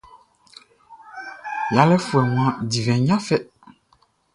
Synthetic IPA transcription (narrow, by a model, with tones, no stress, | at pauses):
ja˨lɛ˦fu˨ɛ˨ŋũ˨ã˦di˨vɛ̃˨ɲã˦fɛ˦